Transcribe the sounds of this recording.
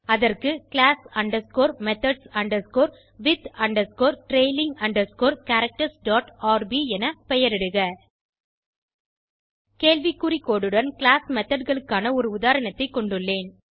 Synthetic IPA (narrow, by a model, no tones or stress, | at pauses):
ɐðɐrkɯkɭaːsɐɳɖɐskoːɾmɛt̪ɐɖsɐɳɖɐɾskoːɾ | ʋɪt̪ɐɳɖɐskoːɾʈɾeːɪlɪŋɡɐɳɖɐɾskoːɾkɐɾɐk̚ʈɐsɖaːʈaːɾbiɛnɐpɛjɐɾɛɽɯɣɐ | keːɭʋikːʊɾɪkːoːɽɯɽɐnkɪɭaːsmɛt̪ːɐɖɣɐɭɯkːaːnɐɔɾɯʊðaːɾɐnɐt̪ːɐɪkːɔɳɖɯɭːeːn